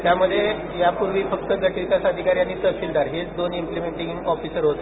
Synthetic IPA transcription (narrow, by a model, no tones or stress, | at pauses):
t̪jaməd̪ʱːje | japuɾʋiːfək̚t̪əɡəʈikasaəd̪ʱikaɾjanːiːt̪əɕild̪ʱaɾɦet͡sd̪onimplimeɳʈiŋŋɔfisəɾɦot̪e